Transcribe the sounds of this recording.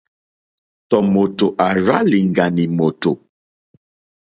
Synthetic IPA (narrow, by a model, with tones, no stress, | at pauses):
tɔ˨mo˨to˨ʔa˨ɾa˦li˨ŋ˨ɡa˨ni˨mo˨to˨